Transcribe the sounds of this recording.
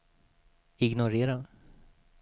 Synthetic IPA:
ɪɡnʊɾeːɾa

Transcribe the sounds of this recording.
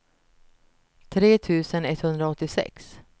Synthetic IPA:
t̪ʰɾeːt̪ʰʉ̟ːsənɛt̪hɵnd̪ɾaɔt̪ːɪsɛ̰ks

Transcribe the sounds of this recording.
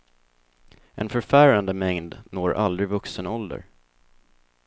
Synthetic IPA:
ʔɛ̰nfœɾfæːɾand̪əmɛŋd̪noːɾʔa̰ld̪ɾɪvɵksənɔld̪ə̰ɾ

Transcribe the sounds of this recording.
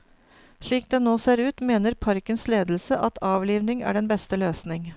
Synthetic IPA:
ʂɭiːk̚d̪eːnoːseːɾʉːt̪meːnəɾpʰɑɾkənsleːd̪l̩səʔɑt̪ʰɑːʋliːʋnɪŋæ̰ːɖɛnbɛst̪əløːsnɪŋ

